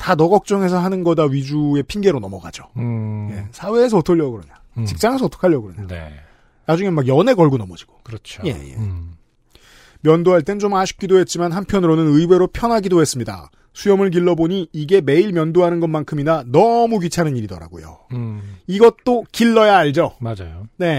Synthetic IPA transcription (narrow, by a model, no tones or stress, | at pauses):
tanʌɡʌk̚t͡ɕ͈ʌŋe̞sʰʌɦanɯnɡʌdaɥid͡ʑue̞pʰinɡe̞ɾonʌmʌɡa̰d͡ʑoje̞sʰawe̞ːs̬ʰʌotʰoʎːjʌɡɯɾʌɲa | t͡ɕik̚t͡ɕ͈aŋesʰʌotʰo̥kʰaʎjʌɡɯɾʌɲejo | nad͡ʑuŋemaɡjʌne̞ɡʌɭɡunʌmʌd͡ʑi̥ɡ̥o̥kɯɾʌt͡ɕʰoje̞̰jḛ | mjʌndoɦaɭt͈e̞nt͡ɕomaɕʰu̥k̚k͈idoɦe̞t̚t͡ɕ͈imanhampʰjʌnɯɾonɯnɯiwe̞ɾopʰjʌnɦaɡidohe̞s͈ɯmɲida̰ | sʰujʌmɯɭk̬iɭːʌboɲiːɡe̞me̞iɭmjʌndoɦanɯnɡʌnmankʰɯminanʌmukit͡ɕʰanɯniɾidʌɾa̰ɡo̰jo̰ | iɡʌt̚t͈okiɭːʌjaːɭd͡ʑʌmad͡ʑajone̞